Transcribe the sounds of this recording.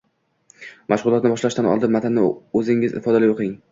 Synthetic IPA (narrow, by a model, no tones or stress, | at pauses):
mʔaʃʁʊlˠɒt̪̚nɪbɒʃlaʃt̪anɒ̰lˠd̪ɪnmat̪ʰɪnːɪɵzɪŋɪzɪ̰fɒd̪alɪjoqʰɪŋ